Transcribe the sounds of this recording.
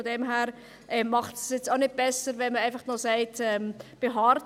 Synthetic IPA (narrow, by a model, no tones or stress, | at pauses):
odemɦɛːɾ | ʔɛmɑχtsjɛt͡staʊnɪd̚b̥ɛsəɾvɛnməaɪfɑχnosaɪtɛːmb̥eɦɑːɾt